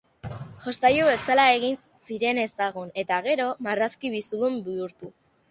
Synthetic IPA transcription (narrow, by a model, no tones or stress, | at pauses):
ʝo̞st̪ajuβe̞salae̞ɣin | siɾe̞ne̞saɣ̞une̞t̪aɣe̞ɾo̞maraskiβisuðumbiuɾt̪u